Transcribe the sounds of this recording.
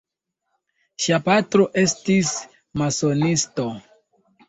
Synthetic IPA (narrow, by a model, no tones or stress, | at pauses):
ʃiapatɾo̞ʔe̞stis | maso̞nisto